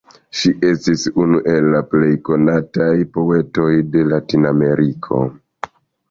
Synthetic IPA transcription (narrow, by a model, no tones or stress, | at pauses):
ʃiʔe̞stisunuʔe̞lːaple̞jko̞natajpo̞e̞to̞jde̞latiname̞ɾʔikʰo̞̰